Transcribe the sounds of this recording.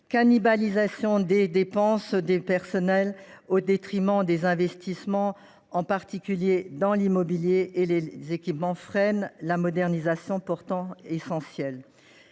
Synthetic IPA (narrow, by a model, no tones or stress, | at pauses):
kanibalizasjɔ̃d̪ed̪epɑ̃sd̪epɛʁsɔnɛlod̪et̪χimɑ̃d̪ezɛ̃vɛst̪ismɑ̃ | ɑ̃paʁt̪ikʲyljed̪ɑ̃limɔbiljeʔelezekʲipmɑ̃fχɛnlamɔd̪ɛʁnizasjɔ̃pɔʁt̪ɑ̃esɑ̃sjɛl